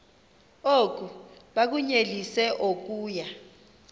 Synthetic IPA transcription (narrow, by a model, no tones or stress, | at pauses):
ok̬ʼuɓak̬uɲelisɛʔok̬uːja